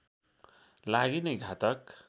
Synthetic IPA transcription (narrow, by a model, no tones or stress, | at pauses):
laɡinajɡʱat̪ak